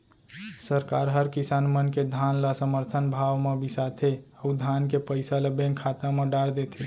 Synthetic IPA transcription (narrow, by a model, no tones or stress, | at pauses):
səɾkaɾɦəɾkisanmənked̪ʱanlasəməɾt̪ʰənbʱawmebisat̪ʰeəud̪ʱankepəjsaləbeŋkʰat̪ameɖaɽd̪et̪ʰe